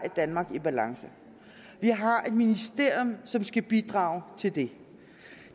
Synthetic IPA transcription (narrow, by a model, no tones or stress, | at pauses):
æd̥ænmɑ̈ɡ̥ib̥ælɑ̈ŋsə | ʋiɦɑ̈e̝d̥minisd̥e̝ɐ̰jɔmsɒ̽msɡ̥æb̥id̥ʁɑ̈ːʊt͡sʰe̝ld̥e̝